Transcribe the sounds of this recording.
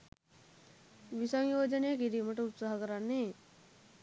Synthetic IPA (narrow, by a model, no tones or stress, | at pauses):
ʋisaŋjoːd͡ʒənejəkiɾiməʈəut̪saɦɐkəɾanːe